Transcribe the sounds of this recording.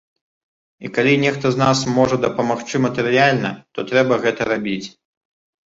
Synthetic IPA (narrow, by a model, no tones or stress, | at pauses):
ikalʲinʲɛxt̪ɐznasmɔʐɐd̪ɐpɐmaxt͡ʂɨmɐt̪ɨɾɨjalʲnɐt̪ɔt̪ɾɛbɐɣɛt̪ɐɾabʲit͡sʲ